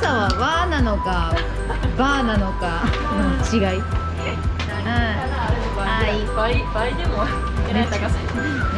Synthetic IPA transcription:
saβaβanano̞ka | baːnano̞ka | not͡ɕiɡai | aipaibaid̪emo | at̪aka

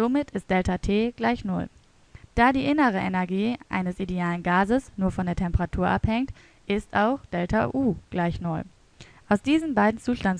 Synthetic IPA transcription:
z̥omɪtʰɪstd̥ɛltatʰeːɡ̥laɪçnʊl | d̥aːdiːʔɪnəʁ̞əʔɛnɛɐɡiːʔa̰ɪnəsʔideaːlənɡaːzəsnuːɐfɔndeːɐtʰɛmpəʁatʰuːɐʔa̰phɛŋt | ʔɪstaʊxd̥ɛltʰa̰ʔuːɡ̥laɪçnʊl | ʔaʊsd̥iːzənbaɪdn̩t͡suːʃtan

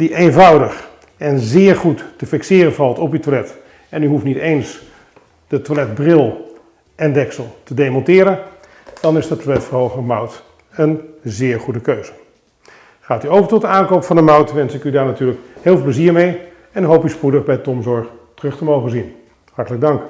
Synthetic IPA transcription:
diʔenvʌwdəχ | ɛnzɪːɹχutːəfɪksɪːɾənvɑlˠtɔpytwalɛt | ɛnyɦuftnitejns | d̥ətwalɛd̚brɪlˠ | ʔɛndɛksəlˠtədejmɔntɪːɾən | d̥ɑnɪsdətʰwalɛtfəɹɦowχəndəmʌwt | ənzɪːɹχudəkøɥz̥ə | χaːtyowvəɹtɔtdəaːnkowpfɑndəmʌwtʋɛnsɪkydaːɹnatyːɹləkhɪːlˠvəlˠpləziːɹmej | ɛnɦowpyspudəχbɛjtɔmzɔɹχ | tərɵχtəmowχənzin | hɑɹtələɡ̚dɑŋk

